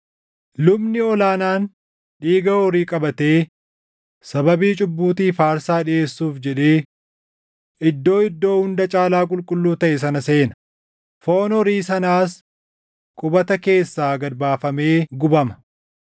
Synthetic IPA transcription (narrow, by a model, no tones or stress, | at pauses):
lʊbnɪɔlaːnaːn | ᶑiːɡɐhoːɾiːkʼɐbɐt̪e̞ː | sɐbɐbiːt͡ʃʼʊbːuːt̪iːfaːɾsaːᶑɪe̞ːsːuːfd͡ʒɛᶑeː | ɪd̪ːo̞ːɪd̪ːo̞ːhʊnd̪ɐt͡ʃʼaːlaːkʼʊlkʼʊlːuːt̪ɐʔɛsɐnɐse̞ːnɐ̥ | foːnɔɾiːsɐnaːs | kʼʊbɐt̪ɐke̞ːsːaːɡɐɾbaːfɐme̞ːɡʊbɐmɐ̥